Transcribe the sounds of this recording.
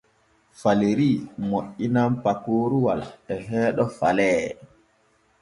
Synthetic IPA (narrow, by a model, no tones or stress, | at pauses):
faleɾiːmoʔːinampakoːɾuwalɛɦɛːɗɔfa̰lɛː